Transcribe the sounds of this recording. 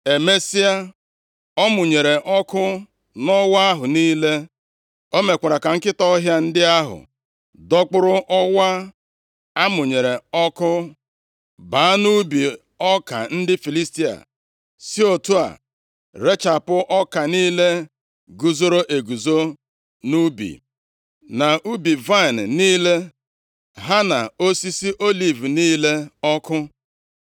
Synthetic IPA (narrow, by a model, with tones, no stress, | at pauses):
e˨me˦si˦a˦ | ɔ˦mʊ˨ɲe˨ɾe˨ʔɔ˦kʊ˦ | nɔ˦wa˦a˦ɦʊ˨niː˦le˦ | o˦me˨kʷa˨ɾa˨ka˨ŋ̩˦kɪ˦tɔ˦ɦja˦n̩˦dɪ˦a˦ɦʊ̰˨ | dɔ˦k͡pʊ˦ɾʊ˦ʔɔ˦wa˦ | a˦mʊ˨ɲe˨ɾe˨ɔ˦kʊ˦ | ba˨˦a˦nu˦bi˨ | ɔ˦ka̰˨n̩˦dɪ˦fi˨li˦sti˦a̰˨ | si˦o˨tu˦a̰˨ | ɾe˦t͡ʃa˨pʊ˦ʔɔ˦ka˨niː˦le˦ | ɡu˨zo˦ɾo˦ʔe˨ɡu˨zo˦ | nu˦bḭ˨ | na˨ʔu˦bi˨va˦˨n̩˨niː˦le˦ | ɦa˦na˨o˦si˦si˦ʔo˦li˨vu˨niː˦le˦ɔ˦kʊ˦